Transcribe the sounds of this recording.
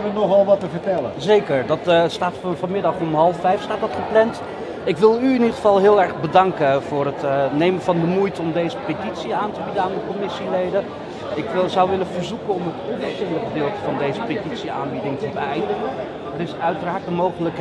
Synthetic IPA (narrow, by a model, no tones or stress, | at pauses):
ʋənɔχʋɛlˠʋɑtəvəɹtɛləzejkəɹdɑtstaːtfvɑnmɪdɑχɔmɦɑlˠəfɛjfstaːt̚dɑtχəplɛnt | ɪkʋɪlˠyɪnidəχəvɑlˠɦɪːlˠɛɹχbədɑŋkəvʊːɹɦətnejmənvɑndəmujtəɔmdejzəpetitsiaːntəbidənaːndəkɔmɪsilejdə | ɪkʋɪzʌwʋɪləvəɹzukənɔmətɔnvəsɪləχədɪːlˠtəvɑndejzəpetitsia̰ːnbidɪŋtəbəɛjndəχən | ərɪsœɥtəraːɹt̚dəmowχələk